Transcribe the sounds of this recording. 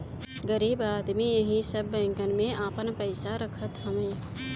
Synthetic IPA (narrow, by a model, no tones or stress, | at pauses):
ɡəɾiːbaːd̪mijɐɦĩsəbːɛ̃ːŋkənmẽaːpənpəɪsaɾəkʰət̪ɦəmẽː